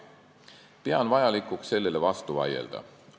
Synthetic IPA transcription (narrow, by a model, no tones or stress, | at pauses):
peɑnvɑjɑlikːˑukse̞lːe̞le̞vɑst̪uvɑ̰je̞̰ld̪̥ɑ̰